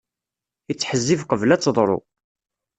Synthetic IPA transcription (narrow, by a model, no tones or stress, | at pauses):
ət͡sːħəzːifqəvlæt͡sːðˤɾˤo̰